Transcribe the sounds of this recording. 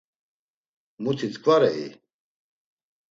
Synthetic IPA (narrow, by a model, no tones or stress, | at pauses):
mut̪ʰit͡s̪kvaɾɛḭ